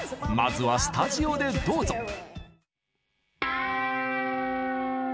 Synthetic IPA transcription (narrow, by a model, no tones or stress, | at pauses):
ma̰zɨβasɨ̥t̪aʑio̞d̪e̞d̪oːzo